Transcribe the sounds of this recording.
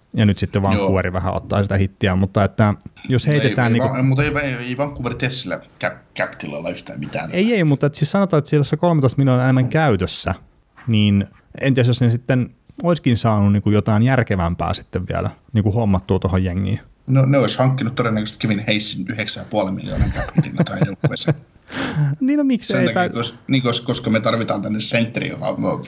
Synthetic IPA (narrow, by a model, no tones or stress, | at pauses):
jɑnyt̪sit̪ːeʋʋɑːŋkuʋeriʋæhæ̰o̰t̪ːɑ̰ːsit̪æhit̪ːiæmut̪ːɑet̪ːæjosheieæːniːŋmut̪eiʋɑeiʋɑŋkːuʋert̪essilːæ̰kæpkæpt̪ilo̰ilːɑyht̪æ̰ːmit̪æ̰ːneieimut̪ːɑet̪ːsiːsɑnot̪ɑːet̪ːsijosːekolmet̪oist̪minonenemːæŋkæyt̪øsːæ | niːn | ḛnt̪iæsjosnesit̪ːen | oiskinsɑːnunniːŋkujot̪ɑinjærkeʋæmpæ̰ːsi̥t̪ːeʋʋḭæ̰læ̰niːŋkuhomːɑt̪ːuot̪ohojjeŋːḭːn | noneoishɑŋkːinut̪t̪odenːækøst̪kæʋinheisːinyheksæjɑpuɑlemḭljo̰ːnɑ̰kæpt̪t̪ḭlːɑt̪ɑjoʋes | niːnomiksenet̪ækt̪ɑikosniːŋkoskoskɑmet̪ɑrʋit̪ɑːnt̪ænːessent̪ːrḭjo̰kɑ̰no